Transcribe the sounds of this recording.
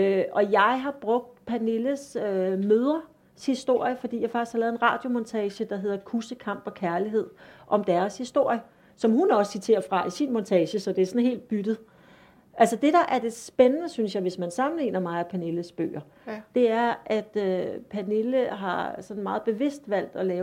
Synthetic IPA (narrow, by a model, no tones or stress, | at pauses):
øɒ̽jɑ̈ɪɦɑ̈b̥ʁɔ̽ɡ̥̚d̥pʰæne̝ləsømøːð̞ˠɐ | shisd̥o̝ɐ̰jəfɒd̥ḭjɑ̈ɪfɑ̈ɡ̥ishɑlɛːðˠenʁɑ̰̈ːd̥jo̝mɒnt͡sʰɛːɕəd̥ɑ̈ɦe̝ð̞̰ˠɐkʰusəkʰɑ̈m̰b̥ɒ̽kʰæɐliɦe̝ð̞̰ˠʔɒ̽md̥æɐshisd̥o̝ɐ̰jə | sɒ̽mɦunɒ̽ssit͡sʰe̝̰ːɐfʁɑ̈ʔisinmɒnt͡sʰɛːɕəsɒ̽d̥e̝æɐsɒ̽nɦe̝̰ːld̥̚b̥yd̥ð̞̩ˠ | ʔælsəd̥e̝d̥ɑ̈ʔæɐd̥e̝sb̥enənəsynsjɑ̈ɪʋe̝smænsɑ̈mn̩lḭːnɐmɑ̈ɪæpʰæne̝ləsb̥ø̰ːɐ | d̥e̝æɐʔæd̥øpʰæne̝ləɦɑ̈sɒ̽nn̩mɑ̈ːð̞̩ˠb̥e̝ʋe̝sd̥ʋæl̰d̥ɒ̽lɛːʊ